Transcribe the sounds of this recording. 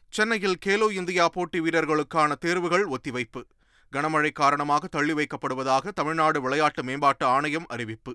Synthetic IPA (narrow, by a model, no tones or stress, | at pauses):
t͡ʃɛnːɐjɪlkeːloːɪnd̪ɪjaːpoːʈːiʋiːɽɐɾɣɐɭɯkːaːnɐt̪eːɾʋɯɣɐɭɔt̪ːɪʋɐɪpːɯ | ɡɐɳɐmɐɻɐɪkːaːɾɐɳɐmaːɣɐt̪ːɐɭːɪʋɐɪkːɐpːɐɽɯʋɐðaːɣɐt̪ɐmɪɻnaːɽɯʋɪɭɐjaːʈːɯmeːmbaːʈːɯaːɳɐjɐmɐ̰ɾɪʋɪpːɯ